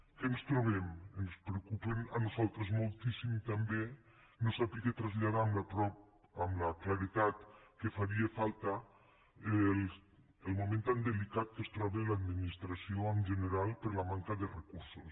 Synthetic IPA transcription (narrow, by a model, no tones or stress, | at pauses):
kenst̪ɾoβ̞ɛmenspɾeukupena̰nuzalˠt̪ɾezmolˠt̪isimt̪ambe | nosapiket̪ɾazʎaðaːmlapɾɔp̚ | amlaklaɾit̪at̪kefaɾiefalˠt̪a | el | əlˠmumẽnt̪and̪elikat̪̚kəst̪ɾɔβelad̪minist̪ɾasioəmʒəneɾalˠpəɾlamaŋkaðerekuɾsus